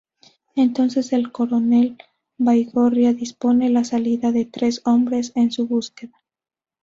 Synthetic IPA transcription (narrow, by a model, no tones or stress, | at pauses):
e̞nt̪o̞nse̞se̞lko̞ɾo̞ne̞l | bajɣo̞ɾjaðispo̞ne̞lasaliðaðe̞t̪ɾe̞so̞mbɾe̞se̞nsuβuske̞ða